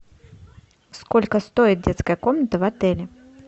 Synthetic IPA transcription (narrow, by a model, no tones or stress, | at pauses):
skɔlʲkɐst̪ɔjit̪̚d͡zʲɛt̪skɐjɐkɔmnət̪ɐvat̪ɛlʲɪ